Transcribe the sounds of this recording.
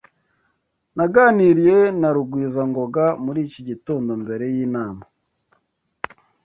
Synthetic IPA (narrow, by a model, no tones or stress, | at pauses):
naɡaːniɾije̞naɾuɡwiːzaŋɡo̞ɡamuɾiːciɟitoːndo̞mbe̞ɾe̞jiːnaːma